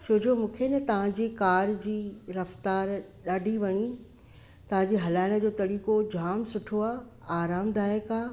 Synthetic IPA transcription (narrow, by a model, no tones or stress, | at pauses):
t͡ɕʰoːd͡ʑomũːkʰenɛt̪ɐʋ̤ãd͡ʑiːkaːɾd͡ʑiːɾɐft̪aːɾɗaːɖʱiʋɐɲi | t̪ɐʋ̤ãd͡ʑiːɦɐlaːɪɽ̃ə̆d͡ʑoːt̪ɐɽiːkod͡ʑʱaːmsʊʈʰoaː | aːɾaːmd̪aːekaː